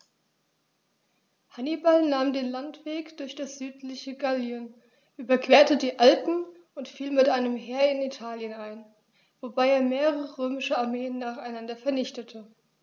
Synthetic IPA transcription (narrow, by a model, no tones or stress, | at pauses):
hanibalnaːmdeːnlantv̥eːkd̥ʊɐçd̥asz̥yːtlɪçəɡaljən | ʔyːbɐkv̥eːɐtədiːʔalpn̩ | ʊntfiːlmɪtʔaɪnəmɦeːɐɪnitʰaːljənaɪn | v̥obaɪeːɐmeːʁəʁəʁøːmɪʃəaɐmeːənːaːχaɪnandɐfɛɐnɪçtətʰə